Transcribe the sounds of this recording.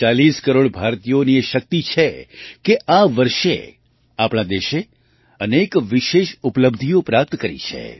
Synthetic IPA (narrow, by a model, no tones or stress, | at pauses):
t͡ʃaliskəɾoɽbʱaɾt̪ijonieʃək̚t̪it͡ʃʰekeʔaʋəɾʃḛ | apɽ̃ad̪eʃe | ənekʋiʃeʃupləb̚d̪ʱijopɾap̚t̪kəɾḭt͡ʃʰḛ